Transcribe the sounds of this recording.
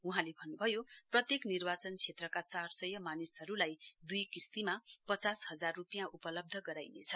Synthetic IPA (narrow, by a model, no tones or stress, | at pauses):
uɦãlebʱʌnːubʱʌjoprʌt̪jeknirbat͡sʌnt͡sʰet̪rʌkat͡sarsʌjʌmanisʌɾulajd̪ujkist̪imapʌt͡sasɦʌd͡zarːupijãʔupʌlʌb̚d̪ʱʌɡʌɾajnḛt͡sʰʌ̥